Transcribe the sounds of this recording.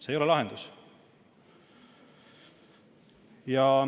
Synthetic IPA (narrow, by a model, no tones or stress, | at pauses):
sejo̞lɛlɑɦend̪̥us | jɑ